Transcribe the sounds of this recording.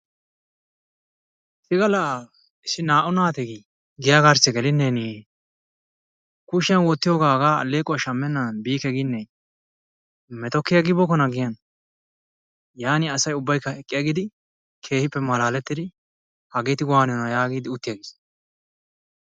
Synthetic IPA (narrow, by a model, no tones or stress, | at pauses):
sɪɡɐla | ɪsɪnaːʔʊnaːt̪ɛɡi | ɡɪjaɡaɾsɛɡɛlɪnːeːniː | kʊʃɐnwɔt̪ːɪjoːɡaːɡaːɐ̰lːeːkʼːɔɐʃɐmːɛnːɐbiːkɛɡɪnːɛj | mɛt̪ɔkːɪjaɡɪbɔkɔnɐɡɪjɐn | jaːnɪɐsɐjʊbːɐjkːɐɛkʼːɪjɐɡɪd̪ɪ | kʰe̞ːhɪpːɛmɐlaːlɛt̪ːɪd̪ɪ | hɐɡeːt̪ɪɡɔwaːnɪɔnɐjaːɡiːd̪ɪʊt̪ːɪjɐɡɪs